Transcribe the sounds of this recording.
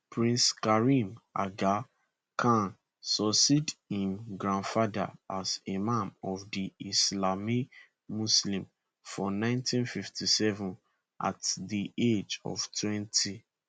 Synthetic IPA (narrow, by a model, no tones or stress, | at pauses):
pɹĩnskaɹima̰ɡa | kʰãn | sɔsidĩmɡɹãnfada̰azemãmɔvdiislami | muslĩm | fɔnãɪ̃ntʰĩnfiftisɛvũn | ʔa̰tdiʔed͡ʒɔ̰v̥tʰwɛ̃ntʰi